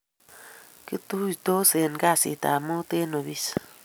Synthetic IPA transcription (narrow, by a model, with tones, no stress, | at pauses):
ki˦t̪u˦jto˦se˨nka˦˨sḭ˨t̪a̰˨mo˦t̪e˦no˨βi˦s